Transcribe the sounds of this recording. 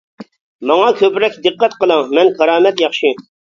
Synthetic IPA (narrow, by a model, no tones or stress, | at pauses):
mɑŋɑkʲʰøpɾɛkʲd̪ɨqːɛt̪qəlˠɑŋmɛnkʰɑɾɑːmɛt̪jɑχʃi